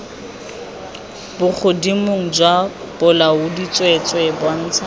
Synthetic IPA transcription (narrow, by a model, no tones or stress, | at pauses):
bʊk͡xʰʊdimʊŋ̩d͡ʒwa | b̥ʊlaʊdit͡sʼwet͡sʼwebwan̩ːt͡sʰa